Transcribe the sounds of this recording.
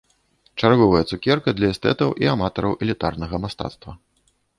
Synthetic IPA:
t͡ʂarɣɔvɐjɐt̪sukʲɛrkɐd̪lʲɐɛst̪ɛ̰t̪ɐwʔiamat̪ɐɾɐwʔɛlʲit̪arnɐɣɐmast̪a̰t̪st̪vɐ

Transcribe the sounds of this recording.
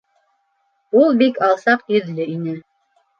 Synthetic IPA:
ulˠbikɑlˠsɑqjɵ̆ðlɘinɘ

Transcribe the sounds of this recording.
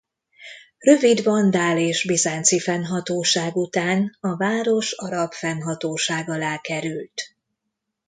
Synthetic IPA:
rø̞vid̪vɒnd̪aːleːʒbizaːnt̪sifɛnɦɒt̪oːʃaːɡut̪aːnɒvaːɾo̞ʃɒɾɒpfɛnɦɒt̪oːʃaːɡɒlaːkɛɾylt̪

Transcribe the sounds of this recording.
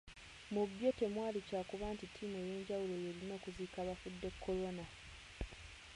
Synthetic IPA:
mubjo̞te̞mwaːlicaːkuβaːntitʰːiːmue̞je̞ːɲɟawulo̞je̞ɾino̞ːkuziːkaβafudːe̞kʰːo̞lo̞na

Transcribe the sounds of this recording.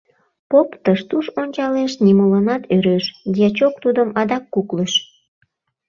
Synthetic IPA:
popt̪əʃt̪uʃonʲt͡ɕɑleʃnimolənɑt̪øɾeʃd̪ʲiɑt͡ɕok̚t̪ud̪əmɑd̪ɑkːukləʃ

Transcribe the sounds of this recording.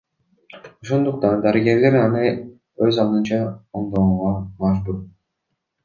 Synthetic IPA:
o̞ʃo̞nd̪uq̚t̪ɑnd̪ɑɾɯɡe̞ɾle̞ɾɑnɯ | øzɑlˠd̪ɯnt͡ʃɑoɴd̪ouʁɑmɑʒbuɾ

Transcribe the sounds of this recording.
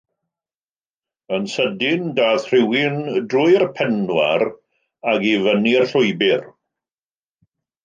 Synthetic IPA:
ənsədɪndaːðr̥ɪwɪndrʊjrpʰɛnwa̰ɾ | aɡivənirɬʊjbɪr

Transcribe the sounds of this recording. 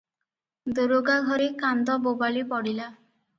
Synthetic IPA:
d̪oɾoɡaɡʱɔɾikand̪ɔbobalipɔɽila

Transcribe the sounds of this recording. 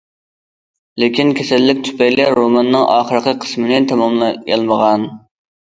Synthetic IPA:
lɪkʲinkʲʰɛsɛlːɪk̚ʲt̪ʰy̥pɛjlɛɾomɑnːɨŋʔɑ̰ːχəɾəqʰəqʰə̥smɪnɪt̪ʰɛmɑmlˠjɑ̰lˠməʁɑn

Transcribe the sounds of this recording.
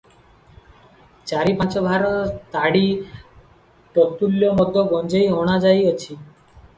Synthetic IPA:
t͡ʃaɾipãt͡ʃɔbʱaɾɔt̪aɽi | ʈɔt̪uljɔmɔd̪ʱːɔbɔnd͡ʒejɔɽ̃ad͡ʒajɔt͡ʃʰi

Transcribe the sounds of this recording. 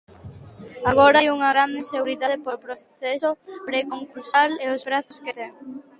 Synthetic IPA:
aɣ̞oɾajuŋɐɣɾand̪eseɣuɾiðaðepopɾoθesoɾekoŋkulsaleozβɾaθʊsket̪ɛŋ

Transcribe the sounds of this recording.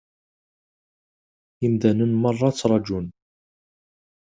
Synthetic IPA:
əmd̪ænənmɑrˤːɑt͡sːɾˤɑd͡ʒun

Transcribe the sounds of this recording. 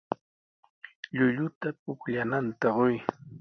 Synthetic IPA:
ʎʊʎʊt̪ap̚ʊkʎanant̪aɢoj

